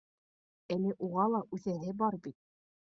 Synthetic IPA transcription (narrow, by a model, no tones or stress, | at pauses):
ælɘʔuʁɑlˠɑʔʉθæɦɘbɑɾbit̪̚